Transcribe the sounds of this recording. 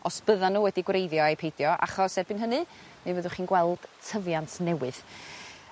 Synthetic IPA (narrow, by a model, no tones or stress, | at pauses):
ɔsb̥əðanːuːwɛdiɡwrejðjɔejpʰejdjɔʔa̰χɔsɛbɨnɦənɨ | mivəðʊχiːnɡwɛlˠd̥tʰəvjantʰnɛwɨð̥